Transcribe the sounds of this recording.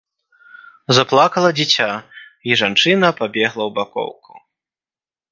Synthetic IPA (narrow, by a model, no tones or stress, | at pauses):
zaplˠakɐlˠɐd͡zʲit͡sʲaiʐant͡ʂɨnɐpabʲɛɣlˠɐwbakɔ̰wku̥